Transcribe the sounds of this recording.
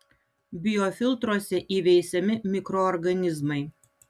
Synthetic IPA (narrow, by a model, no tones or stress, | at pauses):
bʲɪjɔfʲɪlˠt̪ɾuɔsʲɛʔiːʋʲɛɪsʲɛmʲɪmʲɪkɾɔːɾɡɐnʲɪzmɐɪ